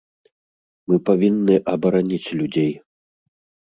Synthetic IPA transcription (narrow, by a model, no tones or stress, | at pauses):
mɨpavʲinːɨʔɐbɐɾanʲit͡sʲlʲud͡zʲej